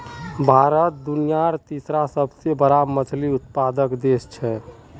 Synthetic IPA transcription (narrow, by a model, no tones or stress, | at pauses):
bʱaɾət̪̚d̪unijaɾt̪isɾasəbʱsebəɾamət͡ʃʰliut̪̚pad̪əkd̪est͡ʃʰɛ